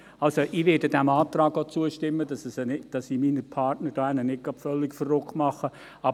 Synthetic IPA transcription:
ɑlsoʔɪʋɪdədæmɑːtrɑːɡ̥ot͡suəʃtɪmːəd̥ɑsəsnɪd̥ɑsiːminəpʰɑrtnəd̥oːænənɪt̚ɡ̥ɑpfœlːɪkfərːʊkmɑχə | ɑ

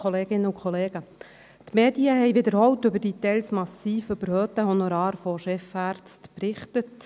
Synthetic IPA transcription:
ɔleːɡ̥ɪnːəukχoleːɡ̥ə | t̪meːdiəɦɛjʋɪd̪əɾhɔwtʏbəɾd̥it̪ɛjlsmɑsiːføb̥əɾhøːt̪əɦonoɾɑːɾfoʃɛfæːɾt͡stpɾɪχtət

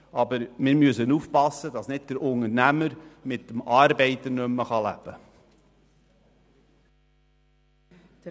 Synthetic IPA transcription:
ɑbəɾmɪːɾmyəsənufpɑsːəd̥ɑsnɪd̚d̥̪əɾʊŋəɾnæməɾmɪtːəmɑːɾbɛɪt̪əɾnømːəχɑlæ̰b̥ə

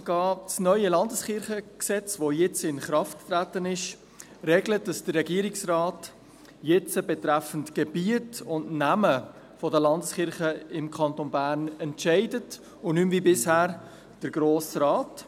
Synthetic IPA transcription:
ɡ̥ɑːsnœʏəlɑndəsχɪɾχəksɛt͡svojɪt͡sɪnχɾɑftːɾætənɪʃ | ɾɛːɡlət̚d̥ɑsd̥ərːɛɡiːəɾɪksrɑːt | jɪt͡səbɛtɾæfəntɡ̥ɛb̥iətʊndnæmə | fɔdəlɑndəsχɪɾχəɪmkʰɑntonbæːɾnɛntʃæɪdət | ʊnymviːbɪshæːɾ | d̥əɾɡɾoːsɾɑːt

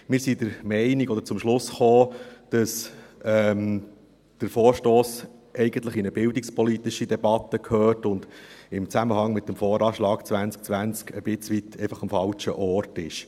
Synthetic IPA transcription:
mɪːɾsid̪əɾmɛɪniɡɔd̥̪ə̥ɾt͡sʊmʃlʊsχoːd̥ɑsɛm | d̥əɾfɔːɾʃtoːs | ʔɛɪɡəntləχinəbɪldɪkspɔlit̪ɪʃid̪ɛbɑt̪ːəkʰhøːɾtʊnd̥̪ɪmt͡sæməhɑŋmɪt̪̚ːəmfɔːɾɑːʃlɑːkt͡sʋænt͡sk̚t͡sʋænt͡skəb̥ɪt͡sʋit̪ʰɛɪfɑχɑmfɑlt͡ʃə̰ʔɔrtɪ̰ʃ

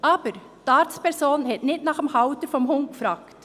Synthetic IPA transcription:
ʔɑːbəɾ | t̪ɑːɾt̪spæɾsoːnn̩hɛt̪nɪt̪nɑχəmhɑʊt̪əɾfɔmhʊŋɡfɾɑkt̪

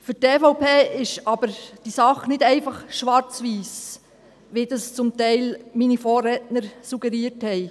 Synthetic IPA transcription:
fydeːfɔʊpeːɪʃɑːb̥əɾd̥isɑχnɪtæɪfɑχʃʋɑɾt͡sʋiːs | ʋiːdɑst͡sʊmtæɪlminifoːɾɛtnəɾsuɡ̥ɛɾiːthɛɪ

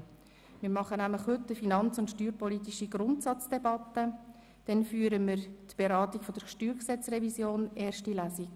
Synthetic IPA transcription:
mɪːɾmɑχənæmləχhɵtːəfinɑnt͡sʊntʃtyːɾpɔlit̪iʃiɡɾʊntsɑt͡sd̥ɛbɑt̪ːə | d̥ɛnfyːəɾəmɪɾt̪b̥eɾɑːtikfɔd̥əɾʃtyːɾksɛt͡srɛvisjoːnɛːɾʃtilæːsik

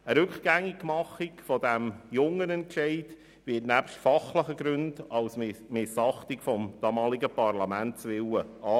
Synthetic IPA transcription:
əɾʉkχɡ̥æŋiɡmɑχɪkfɔdæmjʊŋːənɛntʃɛɪd | ʋɪːtnæpʃtfɑχləχəɡɾʉndɑʊsmɪsɑχtikfɔmd̥ɑmɑːliɡəpɑrlɑmæntsʋɪwəɑː

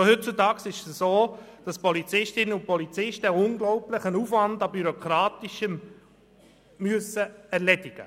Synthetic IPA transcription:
ohʏt̚t͡sutɑːksɪʃsoː | d̥ɑspɔlit͡sɪʃtɪnəʊnpɔlit͡sɪʃtəʊnɡlɔʊplɪχənuːfʋɑndɑbyɾɔkʰɾɑːtiʃəm | myəsəɛɾlɛdiɡ̥ə̰

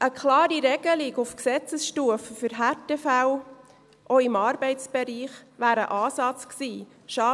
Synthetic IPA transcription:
ʔəkʰlɑːɾiɾɛɡ̥əlɪɡʊfksɛt͡səsʃtuəfəfyɾɦætefæw | ʔɔɪmɑːɾbɛɪtt͡sb̥ɛɾiːχʋæːɾə̰ʔɑːsɑt͡sksiː | ʃɑ

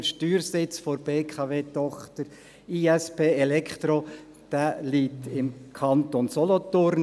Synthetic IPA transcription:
ʃtyːɾsɪt͡sfoɾb̥eːkʰɑveːt̪ɔχt̪əɾ | iːɛspeːɛlɛkʰt̪ɾo | d̪̥æliːt̪ɪmkʰɑnt̪onsɔlɔt̪ʊɾn

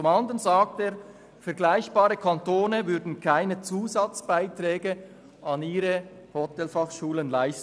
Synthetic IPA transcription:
t͡sʊmɑnd̪əənzaːk̚teː | fɛɐɡlaɪçb̥ɑːɾəkʰɑntoːnəvʏɾdn̩kʰaɪnət͡suːzɑt͡sb̥aɪtʁɛːɡə | ɑniːɾə | hotɛlfɑχʃuːlənlaɪst

